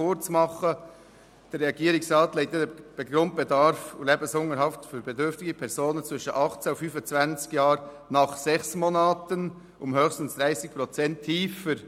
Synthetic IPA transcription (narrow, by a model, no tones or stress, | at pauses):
ʊɾt͡smɑχə | d̥ɛɾeɑɡiːɾɪŋsrɑːtleɪtdeəb̥eɡɾʊnt̚b̥edɑɾfleːbnshʊŋəɾhɑftfyːɾbedʏɾftɪɡəpʰɛɾzoːnənt͡svɪʃəʔɑχt͡saʊfyːfət͡svant͡skjaːɾ | nɑχsɛχsmoːnaːtən | ʊmhøːxstn̩sd̥ɾaɪsɪk̚pɾot͡sɛntʰːiːfəɾ